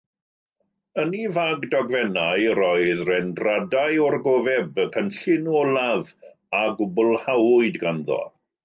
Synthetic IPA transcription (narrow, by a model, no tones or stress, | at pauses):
ənivaɡdɔɡvɛnajɾɔɨðrɛndradaɨɔrɡovɛbəkʰənɬɪnɔlˠav | aɡʊbʊlˠhawʊɨdɡanðɔ̰